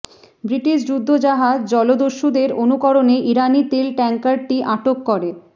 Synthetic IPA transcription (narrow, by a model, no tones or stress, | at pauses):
bɾiʈiʃd͡ʑud̪ʱːod͡ʑaɦad͡ʑd͡ʑɔlod̪oʃːud̪eɾonukɔɾoneʔiɾanit̪elʈɛŋkaɾʈiʔaʈokːɔɾe